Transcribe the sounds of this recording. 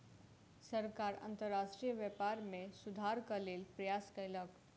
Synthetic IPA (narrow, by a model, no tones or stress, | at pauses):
səɾkaɾə̰nt̪əɾːaʃʈɾijəʋjəpaɾmesud̪ʱaɾkəlelpɾəjaskəjlək